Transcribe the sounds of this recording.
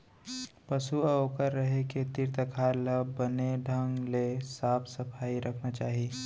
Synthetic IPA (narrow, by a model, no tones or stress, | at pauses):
pɐsuɐokəɾːɐɦeket̪ɪɾt̪əkʰaːləbɐneɖʱə̃ŋɡlesaːpʰsɐpʰaːiɾʔɐkʰnat͡ʃaːɦie